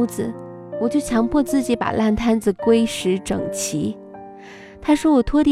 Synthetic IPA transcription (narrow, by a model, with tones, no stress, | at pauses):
d͡zɹ̩˨˩ | wɔ˨˩t͡ɕjo˥˩ʊt͡ɕʰjɑ˧˥ŋpʰwɔ˥˧t͡sɹ̩˥˩t͡ɕi˧˥pa̰˨˩la˥˩nt̪ʰa˥nd͡zɹ̩˨˩kwe˥ɪʂɻ̩˧˥ʈ͡ʂɤ̰˨˩ŋt͡ɕʰi˧˥ | t̪ʰa˥ʂwɔ˥wɔ˨˩t̪ʰwɔ˥t̪